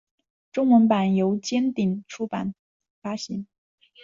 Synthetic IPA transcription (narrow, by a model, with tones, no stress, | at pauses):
ʈ͡ʂʊ˥ŋwə˧˥npa˨˩njo˧˥ʊt͡ɕjɛ˥nt̪i˨˩ŋʈ͡ʂʰu˥pa̰˨˩n | fa˥ɕi˧˥˦n